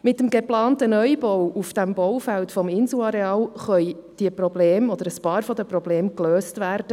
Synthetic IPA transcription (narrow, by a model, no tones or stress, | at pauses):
mɪtːəmɡeplɑːntənœʏbɔwufd̥æmbɔwfæltfɔmɪnsl̩ɑɾeɑːlχœʏd̥iəprɔbleːmɔd̪əɾəspɑːɾfɔdəprɔbleːmkløːstvæːɾd̥ə